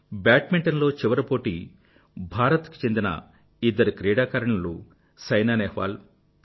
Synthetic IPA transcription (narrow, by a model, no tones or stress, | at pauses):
baːʈmiɳʈɐnlo̞ːt͡ʃiʋɐɾɐpo̞ːʈi | bʱaːɾɐt̪ku̥t͡ʃe̞nd̪inɐ̰ | id̪ːɐɾikɾɛːɽaːkaːɾɐɳɐlu | sɐjnaːnɛːhʋa̰ːl